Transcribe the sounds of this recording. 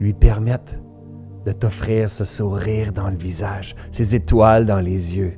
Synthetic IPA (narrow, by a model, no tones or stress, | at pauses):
lɥipɛʁmɛt̪ | d̪ət̪ɔfχiːʁsəsuʁiːʁd̪ɑ̃ləvizaʒsezet̪wald̪ɑ̃lezjø